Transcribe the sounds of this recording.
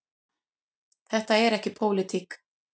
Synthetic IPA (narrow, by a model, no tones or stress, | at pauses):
θɛht̪aɛɾɛhcɪpʰowlɪt̪ʰik